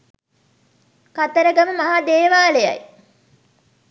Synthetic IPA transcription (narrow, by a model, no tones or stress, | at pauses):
kat̪əɾəɡəməmɐɦad̪eːʋaːlejɐ̰j